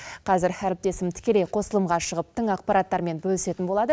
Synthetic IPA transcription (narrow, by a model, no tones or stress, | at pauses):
qʰɑzɪɾæɾɪp̚t̪e̞sɪmt̪ʰɪ̥kʲe̞lejqʰo̞səlˠəmʁɑʃəʁəp̚t̪ʰɪŋɑq̚pɑɾɑt̪ːɑɾme̞nbɵlɪse̞t̪ɪnbolˠɑd̪ə